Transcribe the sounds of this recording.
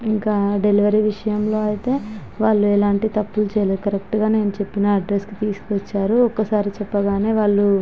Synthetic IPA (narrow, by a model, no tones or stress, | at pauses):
iŋkaːɖe̞liʋɐɾiʋiʂɐjɐmlo̞ːɐjit̪e̞ː | ʋaːɭːuɛlaːɳʈit̪ɐpːult͡ʃɛːjɐled̪ukɐɾek̚ʈɡaːne̞ːnut͡ʃe̞pːinɐːɖɾeskit̪iːsu̥kuʋɐt͡ʃːaːɾuɔkːɐsaːɾit͡ʃɛpːɐɡaːne̞ːʋaːɭːu